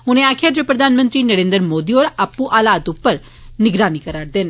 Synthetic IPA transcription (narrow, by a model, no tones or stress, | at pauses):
ʊnẽaːkʰɪjaːd͡ʒepɾəd̪ʱaːnmə̃nt̪ɾinəɾẽːnd̪əɾmoːd̪iɔːɾapːuʔaːlaːt̪ʊpːəɾ | nɪɡɾaːnikəɾaːɾd̪ɪn